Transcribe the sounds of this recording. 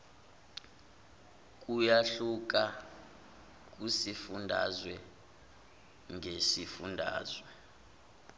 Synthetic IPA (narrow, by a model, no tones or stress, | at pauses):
k̬ʼujaɬuk̬a | k̬ʼusifundʱa̰zwɛ | ŋʱesifundʱa̰ːzwɛ